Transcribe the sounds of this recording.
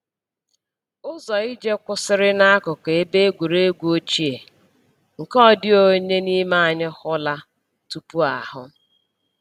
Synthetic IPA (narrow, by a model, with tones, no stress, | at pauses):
ʊ˦zɔ˨i˦d͡ʒe˦kʷʊ˦sɪ˦ɾɪ˦na˦a˦kʊ˨ke˨e˦be˦ɡʷu˨ɾe˦ɡʷo˦t͡ʃi˦e˨ | ŋ̩˨kɔ˦dɪ˦o˨ɲe˦ni˦ma˦a˨ɲɪ˦xʊ˦la˦ | tu˨pu˦a̰˨hʊ˦